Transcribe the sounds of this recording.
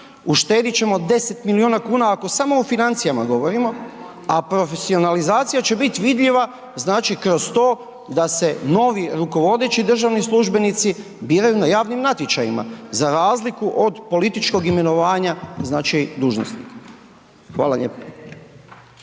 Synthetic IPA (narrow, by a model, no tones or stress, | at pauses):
uʃt̪e̞ːd̪it͡ɕe̞mo̞d̪e̞se̞t̪milioːnakuːnaːko̞samo̞ːfinant̪sijamaɡo̞ʋo̞ɾimo̞ | apɾo̞fe̞sio̞nalizaːt̪sijat͡ɕe̞bit̪iʋid̪ʎiʋa | znaːt͡ʃikɾo̞st̪o̞ː | d̪ase̞no̞ʋiɾuko̞ʋo̞d̪e̞t͡ɕid̪r̩ʒaʋnislˠuʒbe̞nit̪si | biːɾajunajaːʋnimnat̪jet͡ʃajima̰zaɾaːzlikuʔo̞d̪po̞lit̪it͡ʃko̞ɡime̞no̞ʋaːɲaznaːt͡ʃid̪uːʒno̰snḭk | xʋa̰ːlˠaʎeːpa